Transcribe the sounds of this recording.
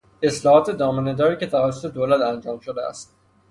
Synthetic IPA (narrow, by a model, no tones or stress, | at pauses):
e̞slɒːhɒːt̪ʰe̞d̪ɒːmined̪ɒːɾiːcet̪ʰævæsːot̪ʰed̪oːlæt̪ænd͡ʒɒːmʃod̪eæ̰st̪